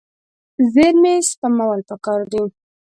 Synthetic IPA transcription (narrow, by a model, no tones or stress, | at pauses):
zeɾmespamawalpəkɑɾd̪i